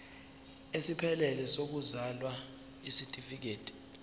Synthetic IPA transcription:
esipʰɛlɛlɛsok̬uzalwa | isitʼifik̬eːtʼi̥

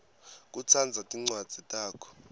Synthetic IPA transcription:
k̬ʼut͡sʰand͡zʱatʼiŋ͡ǀwad̥z̥ʱitʼaːkʰɔ̥

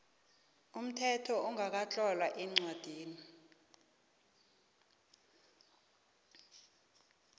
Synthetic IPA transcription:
um̩tʰɛtʰɔuŋʱak̬at͡ɬʼɔlwaʔɛŋ͡ǀad̥ʱiːni

